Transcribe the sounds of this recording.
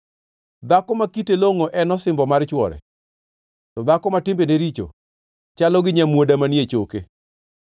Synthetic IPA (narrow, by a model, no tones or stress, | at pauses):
d̪akɔmakiteloŋoʔɛnɔsɪmbɔmart͡ʃwɔɾɛ̰ | tɔd̪akɔmatɪmbeneɾit͡ʃo̰ | t͡ʃalɔɡɪɲamwodamanjet͡ʃoke